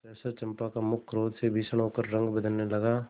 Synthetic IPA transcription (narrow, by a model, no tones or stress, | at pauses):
pɛːsəɾt͡ʃɐ̃mpakamʊkʰɾoːd̪sebʱisəɽ̃oːkəɾːɐ̃ŋɡbəd̪ʱənːelɐɡaː